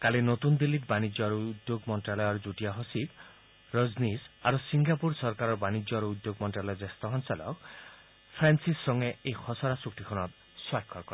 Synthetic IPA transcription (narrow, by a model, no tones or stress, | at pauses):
kalinot̪und̪ilːitbanid͡ʒɔaɾud̪joɡmɔnʈɾalɔjɔɾd͡ʒuʈiaɦosit̪ | ɾoznisa̰ɾusiŋɡapuɾsɔɾkaɾɔɾbanid͡ʒɔɾuud̪joɡmɔnʈɾalɔjɔd͡ʒest̪ɔɦɔnsalɔ̰k | pʰɾansisːɔŋeejxʰɔsɔɾasuk̚t̪ikʰɔnɔt̪̚ | swakʰːɔɾkɔɾ